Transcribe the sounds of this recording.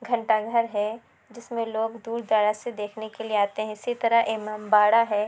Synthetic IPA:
ɡʱɐ̃ɳʈaɡʱɐɾɦɛ | d͡ʒɪsmẽloːɡd̪uːɾd̪aːɽased̪eːkʰnekelieaːt̪eɦɛ̃ɪsit̪ɐɾəɦʔeːmaːmbaːɽaɦɛː

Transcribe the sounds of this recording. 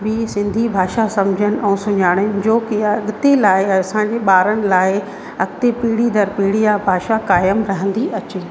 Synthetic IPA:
bɪsɪ̃nd̪ʱibʱaːʃasɐ̃md͡ʑʱənɪ̆ʔɛ̃ːsʊɲaːɽ̃əɪnd͡ʑoːkɪɐɠt̪elaːɪɐsãːɲd͡ʑeːɓaːɾənɪ̆laːɪ | ɐɡt̪epiːɽid̪ɐɾpiːɽijabʱaːʃakaːjəmɾɐɦə̃nd̪iʔɐt͡ɕeː

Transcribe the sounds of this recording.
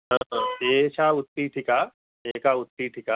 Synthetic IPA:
ɦə̃et͡ʃʰaʊt̪ːiʈʰɪka | jekaʊt̪ːiʈʰɪka

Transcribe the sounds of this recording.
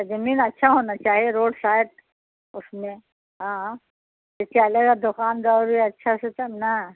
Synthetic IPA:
t̪ɐd͡ʒɐmiːnɐtːʃʰaɦoːnat͡ʃaːɦieɾoːɖsaːɪʈ | ʊsmẽ | ɦãː | et͡ʃaɐleɡad̪ʊkaːnd̪aɾiɐtːʃʰaset̪ɐmna

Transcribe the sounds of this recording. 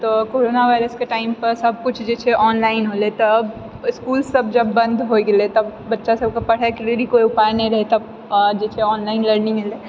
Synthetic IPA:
t̪ɔkoɾonaʋʱaɪɾəskeʈaɪmpəɾsəb̚ʱkʊt͡ʃʰd͡ʒet͡ʃʰɛʔɔːnlaɪnɦolet̪əb | skulsəbd͡ʒəbːə̃nd̪ʱɦoɡelet̪əbːətːʃasəb̚kepəɽ̤akɾelikoiupajnɛĩɾəɦet̪əb | d͡ʒet͡ʃʰɛɔːnlaɪnləɾnimile

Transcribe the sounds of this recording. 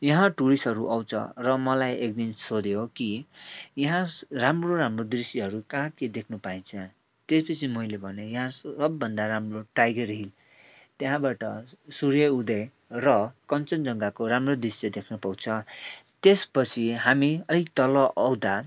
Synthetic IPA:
jʌɦãʈuɾisɦʌɾuʔʌwt͡sʰʌ̰̃rʌmʌlajek̚d̪insod̪jokijʌɦãramroɾamrod̪risiɦʌɾukãɦãt̪ied̪ekʰnupaĩnt͡sʰʌ | t̪espʌt͡sʰimʌjlebʱʌnejʌɦãʌbːʌnd̪aɾamroʈajɡerɦil | t̪jẽɦãbaʈʌsuɾjʌud̪ʌj | rʌkʌnt͡sʌnd͡zʌŋɡakoɾamrod̪risjʌd̪ekʰnupawt͡sʰʌt̪espʌt͡sʰiɦamiʌɾit̪ʌlʌʔʌwd̪a

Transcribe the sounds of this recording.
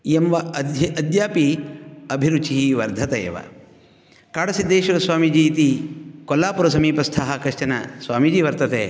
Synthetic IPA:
jɐmʋɐd̪ɐd̪jaːpiɐbʱiɾut͡ʃiɦiʋɐɾd̪ʱɐt̪ɐḛːʋɐ̰ | kaːɽɐsid̪eːʃɐʋɐsʋaːmid͡ʒiːt̪ikɔlːaːpuɾɐsɐmiːpɐst̪ʰaːɦɐkɾɐʃt͡ʃɐnɐsʋaːmid͡ʒiːʋɐɾt̪ɐt̪ḛː

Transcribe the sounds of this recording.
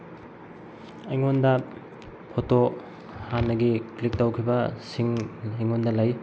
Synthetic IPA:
ɐjŋondɐ | pʰoto | hanːɐɡiklik̚tɐwkʰibɐsiŋɐjŋondɐlaj

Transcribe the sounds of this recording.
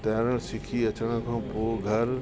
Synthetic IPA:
t̪ɐːɾəɽ̃sɪkʰiɐt͡ɕəɽ̃ə̆kʰãːpoːɡʱɐɾ

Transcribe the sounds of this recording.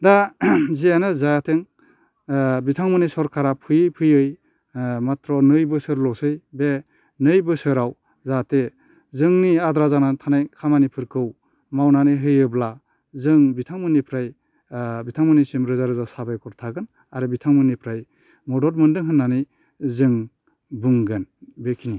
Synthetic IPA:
dazijanɯzatʰeŋ | bitʰaŋmɯnisɔɾkʰaɾapʰɯjɯpʰɯjɯj | matɾɔnɯjbɯsɯɾlɔsɯjbe | nɯjbɯsɯɾaw | zate | zɯŋniadɾazanatʰanajkʰamanipʰɯɾkʰɯw | mawnaniɦɯjɯbla | zɯŋbitʰaŋmɯnːipʰɾaj | bitʰaŋmɯnisimɾɯzaɾɯzasabajkʰɔɾtʰaɡɯn | aɾɯbitʰaŋmɯnːipʰɾaj | mɔdɔɾmɯndɯŋɦɯnːani | zɯŋ | bɯŋɡɯnbekʰini

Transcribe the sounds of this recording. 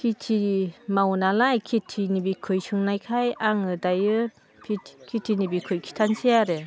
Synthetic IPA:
kʰitʰimawnalajkʰitʰinibikʰɯjsɯŋnajkʰajaŋɯdajɯ | pʰitʰkʰitʰinibikʰɯjkʰi̥tʰansijaɾe

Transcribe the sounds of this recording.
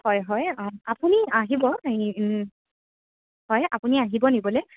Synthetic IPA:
hɔjɦɔjapuniaɦibɔ | hɔja̰puniaɦibɔnibɔlɛ

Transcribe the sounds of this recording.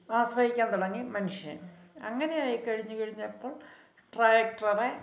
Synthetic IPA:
aːɕrɐhikʲːaːnt̪uɽɐŋːimɐnuʂjɐ̰ɐŋːɐne̞jaːjikɐɻiɲːukɐɻiɲːɐpːoːɭ | ʈraːjɐk̚ʈrɐre

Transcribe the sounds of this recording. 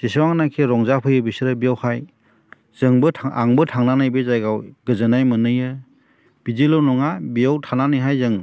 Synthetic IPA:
z̥isawaŋnakʰiɾɔŋzapʰɯjɯbisiɾɯbijawhaj | z̥ɯŋbɯtʰa̰ŋbɯtʰaŋnanajbezajɡawɡɯzɯnajmɯnɯjɯ | b̥izilɯnɔŋabijawtʰananɯjɦajzɯŋ

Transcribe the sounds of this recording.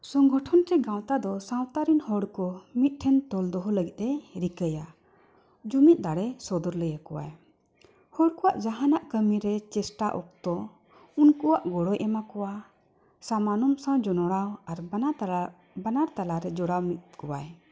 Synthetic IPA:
sɔŋɡʱɔʈʰɔnt̪ɛɡãwt̪ad̪ɔsãwt̪aɾinhɔɽkɔmit̪̚ˀʈʰɛnt̪ɔld̪ɔɦɔləɡit̪̚ˀɛɾikəja | d͡ʒumit̪̚d̪aɽɛsɔd̪ɔɾləjakɔwa̰j | hɔɽkɔwaʔd͡ʒaɦanaʔkəmiɾɛt͡ʃɛsʈaʔɔ̰k̚t̪ɔ | unkɔwaʔɡɔɽɔjʔɛmakɔwa | sãmanɔmsãd͡ʒɔnɔɽawaɾ | banaɾt̪alaɾɛd͡ʒɔɽawmit̪̚kɔwaj

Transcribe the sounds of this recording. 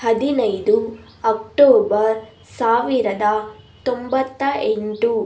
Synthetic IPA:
hɐd̪inɐjd̪u | ɐk̚ʈoːbɐɾ | saːʋiɾɐd̪ɐt̪ombɐt̪ːɐʔeɳʈu

